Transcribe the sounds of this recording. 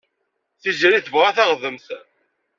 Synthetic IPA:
θiʒɾiθəvʁaθaʁðəmθ

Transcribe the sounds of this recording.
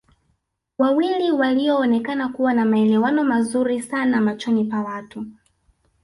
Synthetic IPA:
wawiliwaliɔːnɛkanakuwanamaɛlɛwanɔmazuɾisanamat͡ʃɔnipawatu

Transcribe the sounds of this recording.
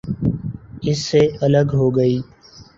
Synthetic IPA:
ɪsːeːələɡɦoːɡəiː

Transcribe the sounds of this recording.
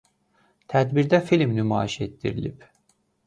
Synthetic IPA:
t̪ʰæd̪biɾd̪æfilʲmnymaːiʃet̪ːiɾilʲip

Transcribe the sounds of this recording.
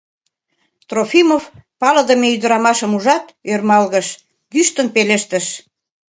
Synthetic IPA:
t̪rofimofpɑləd̪ə̆meyd̪əɾɑmɑʃəmuʒɑt̪ørmɑlɣəʃ | ɡyʃt̪ənpeleʃt̪ə̆ʃ

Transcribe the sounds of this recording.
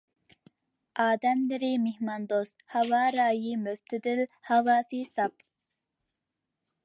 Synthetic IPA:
ɑːd̪ɛmlɪɾɪmɪhmɑnd̪ost̪hɑwɑːɾɑːjimøf̚t̪ʰɪd̪ɪlhɑwɑːsisɑp

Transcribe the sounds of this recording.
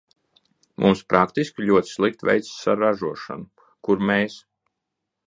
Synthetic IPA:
mʔṵmspɾʔakt̪iskʲilʲuɔt̪i̥slˠik̚t̪vʲɛ̰jt̪ssaɾaʒuɔʃa̰nu | kuɾmɛːs

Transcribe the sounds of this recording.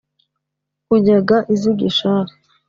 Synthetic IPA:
uɲaɡaʔiziɡiʃaɾi

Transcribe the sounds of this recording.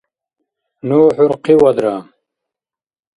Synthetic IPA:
noːħuɾqiwɐd̪ɾaː

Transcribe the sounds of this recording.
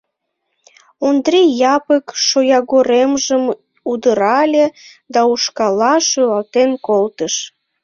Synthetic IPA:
ond̪ɾijɑpəkʃojɑɣoɾemʒəm | ud̪əɾɑlʲe | d̪ɑuʃkɑlɑʃøɣɑlt̪enkolt̪əʃ

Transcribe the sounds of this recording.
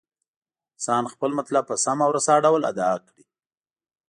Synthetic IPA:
sɑnxpəlmat̪lab̚pəsamawɾasɑɖawla̰d̪ɑkɽi

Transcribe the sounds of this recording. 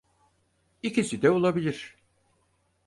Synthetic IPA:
icʰisid̪ɛolˠabilʲiɾ̥

